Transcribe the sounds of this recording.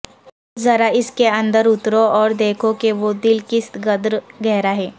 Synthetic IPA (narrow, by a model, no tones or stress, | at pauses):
zɐɾaɪskeɐ̃nd̪əɾʊt̪ɾoɔːɾd̪eːkʰokeʋod̪ɪlkɪst̪ɡɐd̪ɾɡɛɦɾaɦɛː